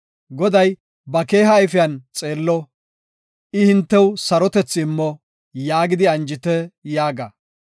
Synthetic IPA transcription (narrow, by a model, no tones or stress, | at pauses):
ɡɔd̪ɐj | bɐke̞ːɦɐːjfɪjɐnt͡sʼe̞ːlːɔ | ɪhɪnt̪ːɛwsɐɾɔt̪ɛt͡sːɪmːɔ | jaːɡɪd̪ɪɐnd͡ʒɪt̪ɛjaːɡɐ̰